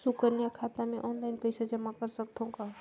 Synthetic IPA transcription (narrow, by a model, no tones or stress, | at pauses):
sukəɾnjakʰaːt̪amẽʔɔːnlaɪnpɛɪsad͡ʒɐmːakəɾsɐk̚t̪õka